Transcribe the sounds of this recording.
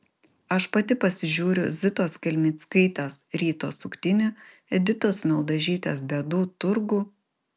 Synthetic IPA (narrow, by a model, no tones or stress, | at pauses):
ɐʃpɐt̪ʲɪpɐsʲɪʒʲuːɾʲʊzʲɪt̪oːskʲɛlʲmʲɪːt̪skɐɪt̪ʲɛsɾʲiːt̪o̰ːsʊkt̪ʲɪnʲʊ | ɛd̪ʲɪt̪oːsmʲɛlˠd̪ɐʒʲiːt̪ʲḛːsbʲɛd̪uːt̪ʊɾɡuː